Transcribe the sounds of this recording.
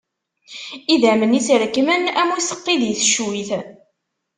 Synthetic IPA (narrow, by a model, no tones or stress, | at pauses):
iðæmənisiɾkːmənæmusə̥qːiðjəθʃwiθ